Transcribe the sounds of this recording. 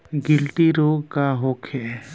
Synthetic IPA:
ɡɪlt̪iɾoːɡkaɦokʰɛ

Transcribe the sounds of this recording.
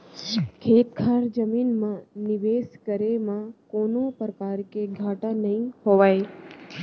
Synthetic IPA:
kʰeːt̪̚kʰaɾd͡ʒəminmãnɪʋeskəɾemãkonõpɾəkaɾkeɡʱaːʈãnəɦĩhoʋaj

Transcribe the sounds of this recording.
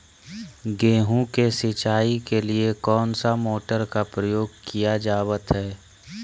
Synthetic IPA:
ɡẽːɦũkesɪt͡ʃaːikeliekɔːnsamoːʈəɾkapɾəjoːɡkijad͡ʒaːʋət̪ɦɛː

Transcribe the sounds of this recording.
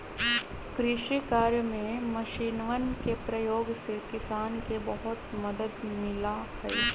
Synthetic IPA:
kɾɪʃikaːɾjəmẽmɐʃiːnʋənkepɾɐjoːɡsekɪsaːnkebɐɦʊt̪mɐd̪əd̪mɪlahɛː

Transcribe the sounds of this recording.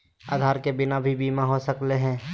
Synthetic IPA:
aːd̪ʱaːɾkebɪnabʱibiːmaɦosəkleɦɛ̃ː

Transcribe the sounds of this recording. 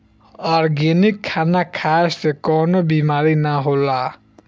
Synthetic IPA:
ɔɾɡenikʰːanakʰaest̪ekɔnobimaɾinaɦola

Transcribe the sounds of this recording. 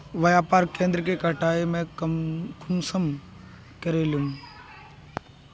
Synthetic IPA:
ʋɐjaːpaːɾkẽːnd̪ɾkekəʈaːemẽ | kʊmsəm | kəɾeːlum

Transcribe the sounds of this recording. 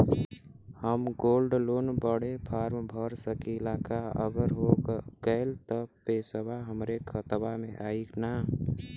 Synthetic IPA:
həmɡoːlɖlonbəɽepʰaːɾmbʱəɾsəkilakaə̰ɡəɾɦoɡəɪlt̪əpesəbʱaɦəmɾekʰət̪bamẽʔaːikna

